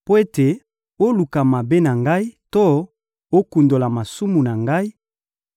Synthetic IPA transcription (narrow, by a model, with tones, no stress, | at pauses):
po˦e˦te˨ | o˦lu˨ka˨ma˨be˦na˨ŋɡa˦i˦to˦ | o˦ku˨ndo˨la˨ma˨su˦mu˨na˨ŋɡa˦i˦